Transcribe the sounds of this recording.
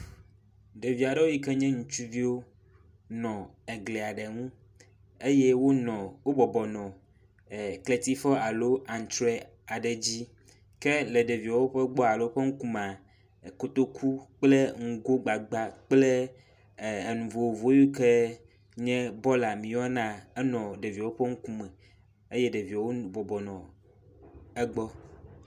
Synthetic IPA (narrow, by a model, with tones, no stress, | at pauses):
ɖe˨vi˨a˨ɖɛ˦wo˦ji˦kɛ˦ɲɛ̃˦ŋũ˨t͡ʃu˦vi˦wo˦ | nɔ̃˨e˨ɡle˨a˨ɖɛ˨ŋũ˦ | e˦je˦wo˦nɔ̃˨wo˦bɔ˨bɔ˨nɔ̃˨ | kle˦t̪i˦fɔ˦a˨lo˦a˨n˨t̪ɾɛ˦ | a˨ɖɛ˨d͡ʑi˦ | kɛ˦le˨ɖe˨vi˨a˨wo˦ɸɛ˦ɡ͡bɔ˦a˨lo˦ɸe˦ŋũ˦ku˦mã˨ | ko˦t̪o˦kʰu˦k͡ple˦ŋ̩˦ɡo˦ɡ͡ba˨ɡ͡ba˦k͡plɛ˦˨ | e˨nũ˨vo˨wo˨vo˦ju˦ke˦ | ɲɛ̃˦bɔ˦la˨mĩ˨wɔ˦nã˦e˦nɔ̃˨ɖe˨vi˨a˨wo˦ɸe˦ŋ̩˦ku˦mɛ̃˨ | e˦jɛ˦ɖe˨vi˨a˨wo˦bɔ˨bɔ˨nɔ̃˨ | e˦ɡ͡bɔ˦